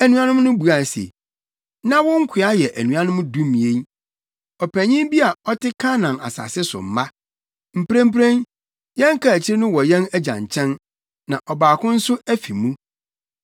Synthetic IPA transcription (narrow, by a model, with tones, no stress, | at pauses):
æ˨nũ˨˦a˦nʊ̃˦m˦nʊ̃˦bu˨a˨sḛ˨ | nã˦wʊ̃˦ŋ̩˦kʰɪ˨a˦jɛ˨ʔæ˨nũ˨a˦nʊ̃˦m̃˦dũ˦mĩ˨e˦ | ɔ˨pʰæ˨ɲĩ˦bi˦a˨ɔ˦tʰɪ˦kʰã˦nã˨a̰˨sa̰˨sɪ˦sʊ̰˨m̩˨mã˦ | m̩˨pɾæ̃˦m˦pɾẽ˦n | jɛ̃˦ŋ˦kʰa˨æ˨t͡ɕʰɪ˦ɾɪ˦nʊ̃˦wɔ˨jɛ̃˦næ˦d͡ʑã̰˨ɲ˨t͡ɕʰɛ̃˦n | nã̰˨ʔɔ˨baː˨kʰʊ̃˦n̩˦sʊ˦æ˦fi˨mũ˦